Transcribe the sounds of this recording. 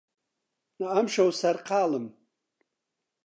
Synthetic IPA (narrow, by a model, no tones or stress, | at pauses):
naamʃawsarqʰaːlɨm